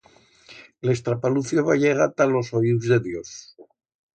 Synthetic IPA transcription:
lest̪ɾapaluθjoβaʎeɣat̪alo̞sojiuzðe̞ðjo̞s

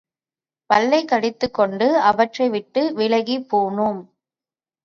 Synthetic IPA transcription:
pɐlːɐɪkːɐɽɪt̪ːɯkːɔɳɖɯɐʋɐʈrɐɪʋɪʈːɯʋɪlɐɣipːuːɳum

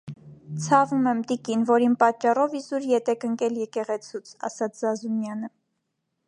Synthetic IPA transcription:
t͡sʰɑvumɛmt̪ikinvɔɾinpɑt͡ʃːɑrɔvizuɾjɛt̪ɛkəŋkɛljɛkɛʁɛt͡sʰut͡sʰɑ̰sɑt͡sʰzɑzunjɑnə

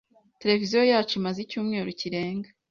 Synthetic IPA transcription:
te̞ɾe̞vizijojaːt͡ʃoimazicuːmŋe̞ːɾociɾe̞ːŋɡa

